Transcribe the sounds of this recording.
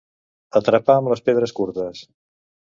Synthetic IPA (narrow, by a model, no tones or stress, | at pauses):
ət̪ɾəpaəmləspeð̞ɾəskuɾt̪əs